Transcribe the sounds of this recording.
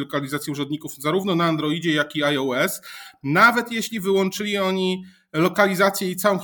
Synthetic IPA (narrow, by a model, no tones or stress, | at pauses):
lɔkalʲizat̪sʲjɛuʐɔnd̪ɲikufzaɾuvnɔnaːnd̪ɾɔid͡ʑɛjakiajɔɛsnavɛt̪jeɕlʲivɘwɔnt͡ʂɘlʲiɔɲi | lɔkalʲizat̪sʲjɛit̪sawɔ̃w̃